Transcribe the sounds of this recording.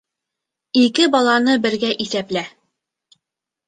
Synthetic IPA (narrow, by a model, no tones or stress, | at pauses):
ikɘbɒlˠɑnɤbɘ̆ɾɡæʔiθæplæ